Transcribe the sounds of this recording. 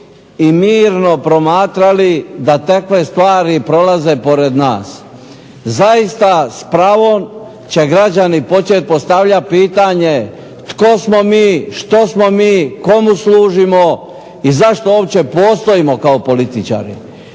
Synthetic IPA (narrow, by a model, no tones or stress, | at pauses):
imiːɾno̞pɾo̞maːt̪ɾalid̪at̪akʋe̞st̪ʋaːɾipɾo̞laze̞po̞ɾe̞d̪naːs | zaist̪aspɾaːʋo̞m | t͡ɕe̞ɡɾad͡ʑanipo̞t͡ʃet̪̚po̞st̪aʋʎapiːt̪aɲe̞ | t̪ko̞smo̞miːʃt̪o̞smo̞miːko̞musluːʒimo̞ | izaʃt̪o̞opt͡ɕe̞po̞ːst̪o̞imo̞kaopo̞lit̪it͡ʃa̰ːɾḭ